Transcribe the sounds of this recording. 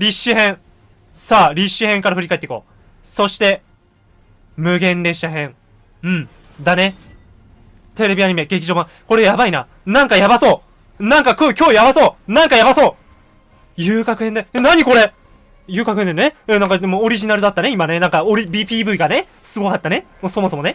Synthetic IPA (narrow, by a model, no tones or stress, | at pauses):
ɾʲiɕːɨhẽ̞ɰ̃ | saːɾʲiɕːɨhẽ̞ŋkaɾaɸɯ̟ɾʲikait̪ːe̥ko̞ː | so̞ɕi̥t̪e̞ | mɯ̟ɡẽ̞nd̪e̞ɕi̥t̪aɦẽ̞ŋ | ɯ̟̃ɴ | d̪ane̞ | t̪e̞ɾe̞bʲiaɲ̟ime̞ɡe̞k̬ʲiʑo̞ːbã | ko̞ɾe̞jabaina | nãŋkajabaso̞ː | nãŋkakʲo̞ːkʲo̞ːjabaso̞ːnãŋkajabaso̞ː | jɯːkakɯ̟hend̪eenaɲ̟iko̞ɾe̞ | jɯ̟ːkakɯ̟henenẽnãŋkad̪emoːɾʲiʑinaɾɯ̟d̪at̪ːaneimanenãŋkaoɾʲibʲiːpʲiːbɯ̟iɡane | sɨɡo̞kat̪ːanemoːso̞mo̞so̞mo̞ne